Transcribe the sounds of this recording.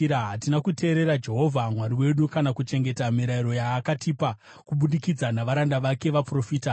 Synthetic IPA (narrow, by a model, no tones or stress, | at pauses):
ɦatinakute̞ːɾe̞ɾad͡ʒe̞ɦo̞vʱamwaɾiwe̞ɗukanakut͡ʃe̞ŋɡe̞tamiɾaiɾo̞jaːkatipa | kuɓuɗikid͡zanaʋaɾandaʋake̞ʋapro̞fiːta